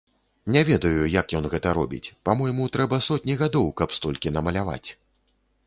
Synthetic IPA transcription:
nʲɛvʲɛd̪ɐjujɐkjɔnɣɛt̪ɐɾɔ̰bʲḭt͡sʲpamɔjmut̪ɾɛbɐsɔt̪̚ʲnʲiɣad̪ɔwkɐpst̪ɔlʲkʲinɐmɐlʲava̰t͡sʲ

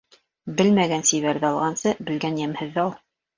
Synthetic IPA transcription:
bɘlmæɡænsiβæɾðɘɑlˠʁɑnsɤbɘ̆lɡænjæmhɘ̆ðːɑlˠ

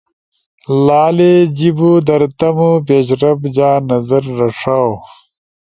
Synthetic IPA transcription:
laːled͡ʑibud̪ɐɾt̪ɐmupeːɕɾɐbd͡ʑaːnɐzɐɾːɐʂaw

